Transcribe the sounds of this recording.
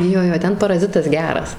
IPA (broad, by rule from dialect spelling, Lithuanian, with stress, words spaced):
ˈjoː ˈjoː ˈtʲɛn pɐrɐˈzʲɪtɐs ˈɡʲæːrɐs